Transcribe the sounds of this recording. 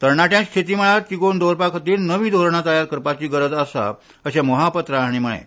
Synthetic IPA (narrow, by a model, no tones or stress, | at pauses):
t̪əɾɳaʈjãnst̪ʰit̪iməɭaɾt͡ɕikond̪ʱoɾpakʰt̪iːlnəʋiːd̪ʱoɾɳ̃at̪əjaɾkəɾpat͡ɕiːɡəɾəd͡zəsa̰ | əɕaməɦapət̪ɾaɽ̃iməɭḛ̃